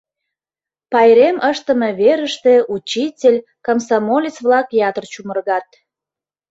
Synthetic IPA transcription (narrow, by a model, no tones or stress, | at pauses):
pɑjɾeməʃt̪əmeβeɾəʃt̪e̽ʔut͡ɕitʲelʲkɑmsɑmolʲit͡sβlɑkjɑt̪ərt͡ɕumərɣɑt̪